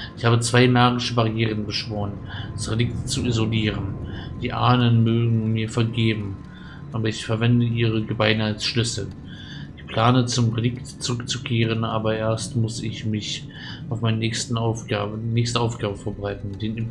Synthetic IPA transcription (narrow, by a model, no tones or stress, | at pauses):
ʔʔɪçhaːbət͡sv̥aɪmaɐɡɪʃəbaʁijeːʁ̞ənbəʃv̥oːʁənd̥asʁedɪk̚tt͡suʔizoliːʁənd̥iːʔaːnənmøːɡŋ̩miːɐfɛɐɡeːbm̩ | ʔaːbɐɪçfɛɐvɛndəʔiːʁ̞əɡəbaɪnəalsʃlʏsl̩ | ʔɪçpʰl̥aːnət͡sʊmʁedɪktt͡suʁʏkt͡sukʰeːʁənʔaːbɐʔeːɐstmʊsɪçmɪç | aʊfmaɪnənɛçstn̩aʊfɡaːnɛːçstəaʊfɡ̥aːbəfɛɐbəʁaɪtn̩d̥eːn